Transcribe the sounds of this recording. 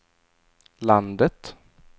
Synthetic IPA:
land̪ət̪

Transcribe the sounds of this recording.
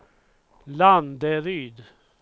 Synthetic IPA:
land̪əɾyːd̪

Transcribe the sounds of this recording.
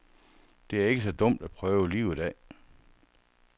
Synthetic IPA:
d̥e̝æɐe̝ɡ̥əs̬ɒ̽d̥ɔ̽m̰d̥æpʰʁœːʊəliʊid̥ɛ̰ː

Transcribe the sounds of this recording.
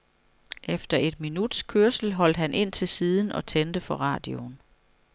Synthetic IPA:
ʔefd̥ɐʔe̝d̥̚minud̥skʰøɐsl̩ɦɒ̽l̰d̥ɦænʔe̝n̰t͡sʰe̝lsiːð̞ˠn̩ʔɒ̽t͡sʰend̥əfɒ̽ʁɑ̰̈ːd̥ion

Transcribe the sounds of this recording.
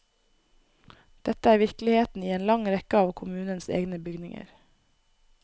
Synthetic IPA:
d̪̥ɛt̪əæːɾʋɪɾklɪheːt̪n̩iːeːnlɑŋɾɛkəɑːʋkʰʊmʉːnənsḛːɡnəbʏɡnɪŋə̰ɾ

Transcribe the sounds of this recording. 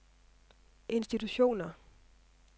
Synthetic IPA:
ʔe̝nsd̥it͡sʰuɕo̝̰ːnɐ

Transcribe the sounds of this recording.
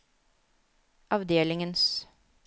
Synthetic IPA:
ʔɑʋd̪eːlɪŋəns

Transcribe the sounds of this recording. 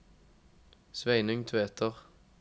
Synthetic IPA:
sʋæɪnʏŋt̪ʰeːt̪ʰəʁ

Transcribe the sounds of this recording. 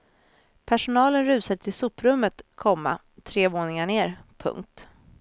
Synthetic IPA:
pʰæʂʊnɑːlənɾʉ̟ːsad̪əʈ̪ʰɪlsuːpɾɵmːət̪kʰɔmːa̰ | t̪ʰɾeːvoːnɪŋaɳeːɾpʰɵ̰ŋk̚t̪

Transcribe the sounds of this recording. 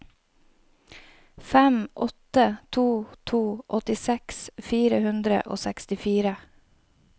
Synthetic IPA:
fæmʔɔt̪ət̪ʰuːt̪ʰuːʔɔt̪ɪsɛksfiːɾəhʉnd̪ɾə̰ʔo̰ːsɛkst̪ɪfiːɾə

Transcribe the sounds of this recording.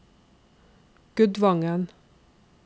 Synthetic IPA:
ɡ̥ʉd̪ʋɑŋən

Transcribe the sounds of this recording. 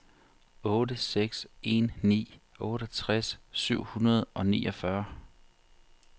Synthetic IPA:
ɔ̽ːɾəseɡ̥se̝nnḭːɔ̽ːɾ̥ət͡sʰʁasːyʊ̰hunɐð̞̩ˠʔɒ̽nḭːʔɒ̽fɶɐ

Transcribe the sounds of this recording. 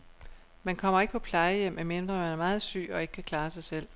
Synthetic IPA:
mænkʰɒ̽m̰ɐe̝ɡ̥əpʰɒ̽pʰlɑ̈ɪəjem̰æme̝nd̥ʁɐmænæɐmɑ̈ːð̞̩ˠsy̰ːɒ̽e̝ɡ̥ə̥kʰækʰlɑ̈ːsɑ̈ɪsel̰

